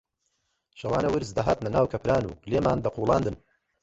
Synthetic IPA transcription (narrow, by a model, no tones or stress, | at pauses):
ʃɐwaːnɐwɨɾzd̪ɐɦaːt̪nɐnaːwkʰɐpɾaːnṵːleːmaːnd̪ɐqʰuːlˠɑ̰ːnd̪ɨn